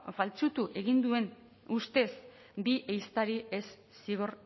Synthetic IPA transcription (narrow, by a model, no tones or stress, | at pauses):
falt͡sut̪uʔe̞ɣind̪ue̞n | ust̪e̞s | biʔejst̪aɾiesː | iɣ̞or